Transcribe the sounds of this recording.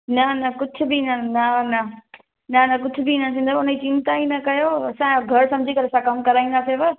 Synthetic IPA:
nɐnɐkʊd͡ʑʱʊ̆bʱinɐnɐnɐ | nɐnɐk̬ʊd͡ʑʱʊbʱinasɪ̃nd̪ʱmʊnəit͡ɕɪ̃nt̪ainɐkɐjoɐsãɡʱɐɾsɐ̃md͡ʑʱikɐɾeɐsãkɐmkɐɾaːĩːnd̪aːseʋɐ

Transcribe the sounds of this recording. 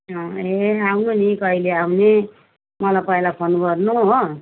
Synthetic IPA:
ʌeawnunikʌɦileawne | mʌlapʌjlapʰʌnubʌɾnuɦo

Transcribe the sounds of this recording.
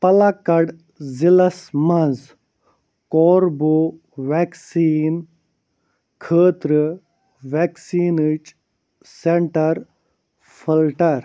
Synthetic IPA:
pɐlakɐɽ | zilɐsmɐ̃nz | kɔːɾboː | ʋeksiːn | kʰəːt̪ɾə | ʋeːksiːnit͡ʃ | seɳʈɐɾ | pʰilʈɐɾ

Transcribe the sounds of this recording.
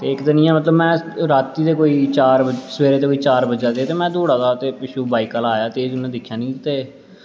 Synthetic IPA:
t̪eːɪkd̪ənĩãːmət̪ləbmɛ̃ːɾaːt̪ːiːt̪eːkoːiːt͡ʃaːɾbəsəʋeːɾeːt̪eːkoːiːt͡ʃaːɾbəd͡ʒaːd̪eːt̪eːmɛ̃ːd̪oːɽaːt̪aːt̪eːpɪʃuːbaːiːkalaːjaːt̪eːd͡ʒʊnẽːd̪ɪkʰːjaːnĩːt̪eː

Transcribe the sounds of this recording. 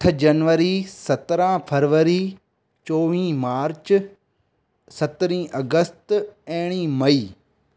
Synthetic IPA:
tʰd͡ʑɐnʋəɾisɐt̪ɾãpʰɐɾʋəɾi | t͡ɕoːʋĩːmaːɾt͡ʃ | sɐt̪ɾĩːʔɐɡəst̪ɛ̃ːɽ̃ĩmɐiː

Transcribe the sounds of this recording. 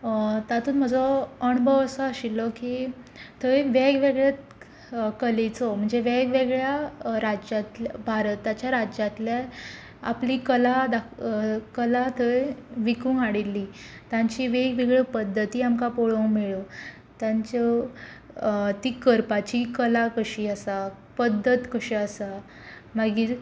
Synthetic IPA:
t̪at̪uːnm̤əd͡zɔəɳbʱəʋəsəəɕilɔkit̪ʰəeʋeɡʋeɡɭjat̪ | kəlet͡sɔm̤əɳd͡zeʋeɡʋeɡɭjaɾad͡ʑat̪lbʱaɾət̪ːat͡ɕjaɾad͡ʑjat̪lja | a̰pliːkəlad̪akəlat̪ʰəʋikũːŋɡaɽilːiːt̪ãɲt͡ɕiːʋeɡʋeɡɭepəd̪ʱːət̪iːamkapoɭomeɭo | t̪jãɲt͡ɕə | t̪iːkəɾpat͡ɕiːkəlakəɕiːəsa | pəd̪ʱːət̪kəɕiəsa | maɡiː

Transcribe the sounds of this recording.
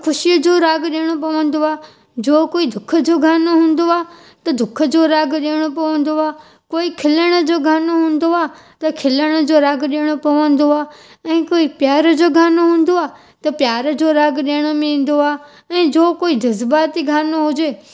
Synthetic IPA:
xʰʊʃijəd͡ʑoːɾaːɡɗiːəɽ̃opɐʋə̃n̆d̪oaː | d͡ʑoːkoːid̪ʱʊkʰəd͡ʑoːɡʱaːnoɦũːnd̪oaː | t̪ɐd̪ʱʊkʰə̆d͡ʑoːɾaːɡɗeɽ̃opɐʋə̃n̆d̪oaː | koːikʰɪləɽ̃ə̆d͡ʑoːɡʱaːnoɦũːn̆d̪oaː | t̪ɐkʰɪləɽ̃ə̆d͡ʑoːɾaːɡɗiːɽ̃opɐʋə̃n̆d̪oaː | ɛ̃ːkoːipjaːɾəd͡ʑoːɡʱaːnoɦũːn̆d̪oaː | t̪ɐpjaːɾəd͡ʑoːɾaːɡɗiəɽ̃əmẽĩːn̆d̪oaː | ɛ̃ːd͡ʑoːkoːid̪ɐzbaːt̪iɡʱaːnoɦʊd͡ʑeː

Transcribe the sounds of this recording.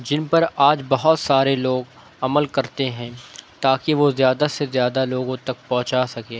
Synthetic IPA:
d͡ʒɪnpɐɾaːd͡ʒbɐɦɔt̪saːɾeloːɡ | ɐməlkɐɾt̪eɦɛ̃ːt̪aːkiʋozjaːd̪asezjaːd̪aloːɡõt̪ɐk̚pɔ̃ɦt͡ʃaːsɐkeː

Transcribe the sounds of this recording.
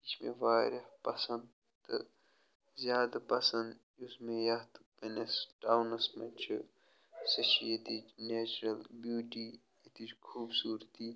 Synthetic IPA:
it͡ʃmḛ̃ʋaːɾɐhpɐsɐnd̪ | t̪ɨ̰ | zʲjaːd̪ɐpɐsɐnd̪ | usmẽjɐt̪penesɖaːwnɐsmɐnt͡ʃʰɨ | sɐʃiet̪ineːt͡ʃɾɐlbjuːʈi | it̪it͡ʃkʰuːbsuːɾt̪i

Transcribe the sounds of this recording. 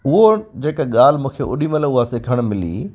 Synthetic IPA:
ʊɦod͡ʑeːkaɠaːl̤mũːkʰeʔʊ̰ɗiməlʊɦaːsekɐɽ̃mɪlḭː

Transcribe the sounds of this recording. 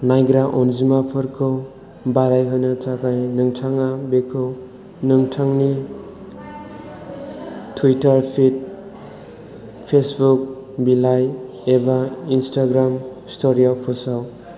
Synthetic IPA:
najɡɾaʔɔnzimapʰɯɾkʰɯ | baɾajɦɯnɯtʰakʰajnɯŋtʰaŋabekʰɯw | nɯŋtʰaŋni | tʰwitaɾpʰit̚ | pʰesbuk̚ | bilaj | ebainstaɡɾamstoɾiapʰɔsaw

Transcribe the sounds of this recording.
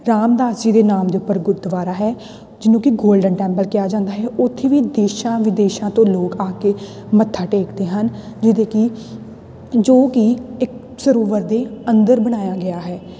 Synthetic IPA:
ɾaːmd̪aːsiːd̪eːnaːmd̪eːʊpːəɾɡʊt̪d̪əʋaːɾaːɦɛː | d͡ʒɪnõːkɪɡoːlɖəɳʈɛ̃ːmpəlkɪjaːd͡ʒãːnd̪aːɦɛːʔʊt̪ʰːeːʋiːd̪eːʃãːʋɪd̪eːʃãːt̪õːloːkaːkeː | mət̪ʰːaːʈeːkd̪eːɦən | d͡ʒɪd̪eːkɪ | d͡ʒoːkiɪk̚ | səɾoːʋəɾd̪eːənd̪əɾbəɽ̃aːjaːɡɪjaːɦɛː

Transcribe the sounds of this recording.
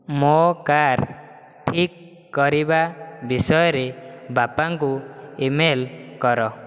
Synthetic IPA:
mokaɾ | ʈʰikː | ɔɾibabisɔjɔɾebapaŋkuimelkɔɾɔ

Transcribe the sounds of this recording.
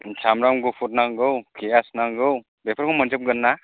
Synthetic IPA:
t͡ʃʰamɾamɡɯpʰut̚naŋɡɯwkʰijasnaŋɡɯw | bepʰaɾkʰomɔnzɯp̚ɡɯnːa

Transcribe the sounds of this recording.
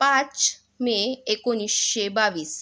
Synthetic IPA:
pãt͡ɕ | meekoniʃːebaʋis

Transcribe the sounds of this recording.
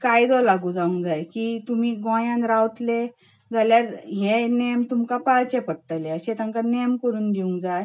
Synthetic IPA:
kajd̪ɔlaɡud͡zaũŋɡd͡zajkiːt̪umiːɡɔ̃jãnɾawt̪le | d͡zaljaɾɦẽnemt̪umkapaɭt͡ɕepəɽʈəleəɕẽt̪ə̃ŋkanemkəɾuːnd̪iũŋɡd͡zaj

